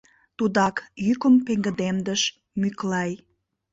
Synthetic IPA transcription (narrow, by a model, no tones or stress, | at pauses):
t̪ud̪ɑkjykəmpeŋɡə̆d̪emd̪əʃ | myklɑj